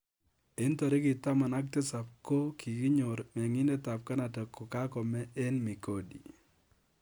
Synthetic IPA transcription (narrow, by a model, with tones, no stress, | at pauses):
e˦nt̪ɔ˨ɾɪ˦kɪ˨t̪a˦ma˨na˦k̚te˦sa˨p̚ko˦kʰi˨ki˦ɲo˨ɾmɛ˨ŋɪ˦ne˦t̪a˨p̚ka˦na˨tɛ˨kːo˨ka˦kɔ˨mɛ˦ʔe˦nmi˨ko˨dḭ˨